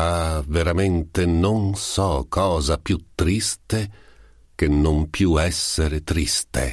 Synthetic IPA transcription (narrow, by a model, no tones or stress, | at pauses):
aveɾament̪enonsɔkːɔːzapjut̪ːɾist̪e | k̟enːompjuɛsːeɾet̪ɾist̪ḛ